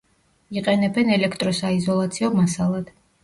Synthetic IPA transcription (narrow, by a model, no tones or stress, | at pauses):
iqʼɛnɛbɛnɛlɛkʰt̪ʼɾɔsaizɔlˠat̪sʰiɔmasalˠad̪̥